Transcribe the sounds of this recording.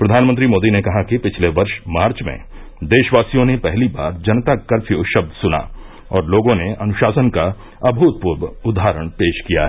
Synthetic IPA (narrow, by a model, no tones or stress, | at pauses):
pɾɐd̪ʱaːnmə̃nt̪ɾimoːd̪inekɐɦakipɪt͡ʃʰleʋɐɾʃmaːɾt͡ʃmḛ̃ | d̪eːʃʋaːsijõnepɛɦliba̰ːɾd͡ʒɐnt̪akɐɾfʰijoʃɐb̚d̪sʊna̰ | ɔːɾloːɡõneɐnʊʃaːsənka | ɐbʱuːt̪̚puːɾʋʊd̪ʱaːɾəɽ̃peːʃkija̰ɦɛ